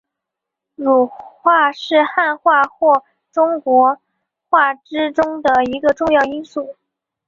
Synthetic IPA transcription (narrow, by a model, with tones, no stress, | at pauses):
ɻu˨˩xwa˥˧ʂɻ̩˥˧xa˥˧nxwa˥˧xwɔ˥˩ | ʈ͡ʂʊ˥ŋkwɔ˧˥ | xwa˥˩ʈ͡ʂɻ̩˥ʈ͡ʂʊ˥ŋd̪ə˨i˧˥ɡə˧ʈ͡ʂʊ˥˧ŋjɑ˥˩ʊi˥nsu˥˩